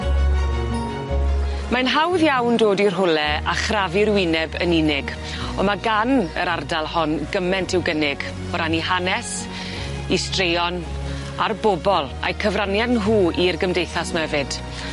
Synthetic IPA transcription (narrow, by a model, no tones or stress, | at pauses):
manɦawðjawndoːdirɦʊlɛaχravɪɾwɪnɛbəninɪɡ | ɔmaɡanəɾardalˠhɔnɡəmɛntʰɪwɡənɪɡ | ɔɾaniɦanɛs | istrejɔn | arbɔbɔlˠa̰jkʰəvranjanɦuːirɡəmdejθasmaɛvɨd̥